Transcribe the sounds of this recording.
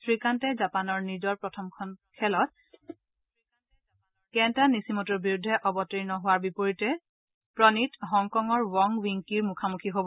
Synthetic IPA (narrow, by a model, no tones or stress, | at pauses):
sɹikantɛzapanɔɹnidɔɹpɹɔtʰɔmkʰɔnkʰɛlɔt̚ | kɛntanisimɔtuɹbiɹudʱːɛʔɔbɔtɹinɔɦʊwaɹbipoɹitɛ | pɹɔnitɦɔŋkɔŋɔɹwɔŋwiŋkiɹmukʰamukʰiɦobɔ